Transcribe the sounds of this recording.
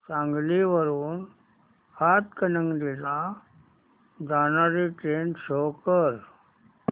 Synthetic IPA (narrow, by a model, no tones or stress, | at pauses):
sãŋɡliʋəɾuːn | hat̪kənəŋɡd̪ila | d̪anaɾiʈɾensokəɾ